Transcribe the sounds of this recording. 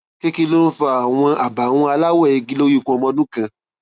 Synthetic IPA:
ke˦ki˧lo˦n̩˦fa˧˦a˨w̃ɔ̃˧ʔa˨ba˨w̃ɔ̃˧a˧la˦wɛ˦˨i˧ɡi˦lo˦ju˦˨kũ˧ɔ˧mɔ̃˧nũ˦kã˧

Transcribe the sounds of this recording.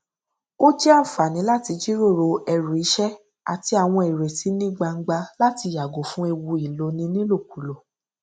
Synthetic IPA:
o˦d͡ʒɛ˦a˦˨fa˨nĩ˨˦la˦ti˧d͡ʒi˦ɾo˦˨ɾo˧ɛ˧ɾu˨i˨˦ʃɛ˦ | a̰˨ti˧a˨w̃ɔ̃˧e˨ɾe˨si˨˦nĩ˦ɡ͡ba˧ŋ̩˦ɡ͡ba˧la˦ti˧ja˨ɡo˨fũ˦e˧wu˧i˨lo˨˦nĩ˧nĩ˦lo˦˨k̚u˨˦lo˨

